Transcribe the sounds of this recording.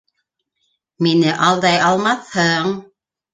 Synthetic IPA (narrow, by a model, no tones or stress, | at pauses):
minɘʔɑlˠd̪ɑjɑlˠmɑθhɤɴ